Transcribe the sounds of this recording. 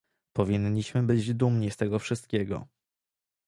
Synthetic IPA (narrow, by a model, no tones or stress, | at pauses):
pɔvʲiɲːiɕmɘbɘd͡ʑd̪umɲist̪ɛɡɔfʂɘst̪kʲeɡɔ̰